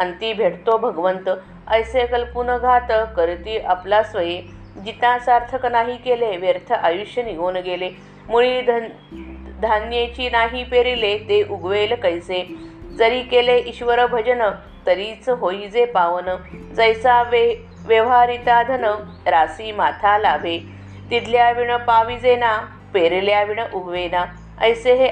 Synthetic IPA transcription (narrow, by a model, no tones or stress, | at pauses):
ənt̪iːbʱeɽt̪obʱəɡʋənt̪ə | əjsekəlpunəɡʱat̪əkəɾt̪iːʔaplasʋəje | d͡ʑit̪ãsaɾt̪ʰəknaɦiːkeleʋjeɾt̪ʰəʔajuɕjəniɡonɡele | muɭid̪ | d̪ʱanjet͡ɕiːnaɦiːpeɾilet̪eʔuɡʋelkəjsed͡zəɾiːkeleʔiɕʋəɾəbʱəd͡ʑənə | t̪əɾiːt͡sɦoid͡zepaʋənəd͡zəjsaʋe | ʋjəʋɦaɾit̪ad̪ʱənə | ɾasiːmat̪ʰalabʱe | t̪id̪ljaʋiɳəpaʋid͡zena | peɾiljaʋiɳəʔuɡʱʋena | əjseɦe